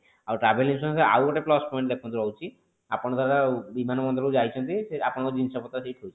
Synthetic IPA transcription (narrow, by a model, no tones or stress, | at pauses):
awʈabelimsɔnsea̰wɔʈeplɔspɔĩɳʈlekʰɔnt̪ɔɾɔwt͡ʃʰi | apɔɽ̃ɔd̪ʱaɾabimanɔmɔnd̪ɔɾod͡ʒaɦjt͡ʃʰɔnt̪iseapɔɽ̃ɔod͡ʒinsɔpɔt̪ːasiʈɦojʰi̥